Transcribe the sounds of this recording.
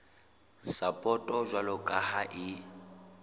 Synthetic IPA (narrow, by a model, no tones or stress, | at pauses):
sapʼɔtʼɔʒwalɔkʼahaʔi